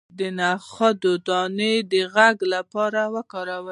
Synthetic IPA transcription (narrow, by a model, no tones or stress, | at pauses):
d̪ənaxad̪od̪ɑned̪əɣaɡlapɑɾawəkɑɾawə